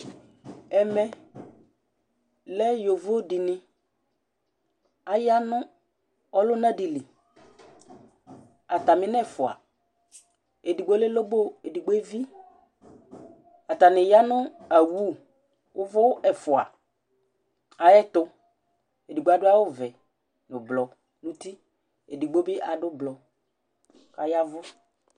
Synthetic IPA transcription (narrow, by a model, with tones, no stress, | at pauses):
ɛ˨mɛ˨ | lɛ˦jo˨vo˦o˦dɪ˨nɪ̃˦ | a˨ja˦nʊ̃˦ | ɔ˦lʊ˦nã˦di˨li˨ | a˨t̪a˨mɪ̃˦nɛ˦˨fʊ˨a̰˨ | e˨di˨ɡ͡bo˦le˦lo˦bo˦e˨di˨ɡ͡bo˦e˦vi˦ | a˨t̪a˨nɪ˨ja˦nʊ˦a˨wu˦ | wʊ˦vʊ˦ʔɛ˨fʊ˨a˨ | a˨jɛ˦t̪ʊ˦ | e˨di˨ɡ͡bo˨˦a˦dʊ˦a˦wʊ˦vɛ˨ | nʊ̃˨blɔ˨ | nu˦t̪i˦ | e˨di˨ɡ͡bo˦bɪ˦ʔa˨dʊ˦blɔ˨ | ka˨ja˦vʊ˦